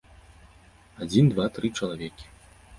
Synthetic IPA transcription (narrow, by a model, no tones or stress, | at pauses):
ad͡zʲind̪vat̪ɾɨt͡ʂɐlˠavʲɛkʲi̥